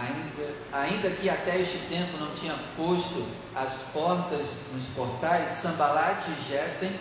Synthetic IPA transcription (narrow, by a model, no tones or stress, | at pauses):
ĩd̪ɐ | aĩnd̪ɐkɪat̪ɛeʃt͡ʃɪt̪ẽmpʊnɐ̃w̃t͡ʃĩɲɐpost̪ʊ | ɐspɔɾt̪ɐznʊspoɾt̪ajsːɐ̃balat͡ʃɪʒɛsẽj̃